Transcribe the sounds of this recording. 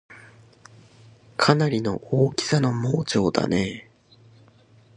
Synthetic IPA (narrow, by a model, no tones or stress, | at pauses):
kʰanaɾʲino̞̰ʔoːkʲi̥sano̞moːt͡ɕo̞ːd̪a̰ne̞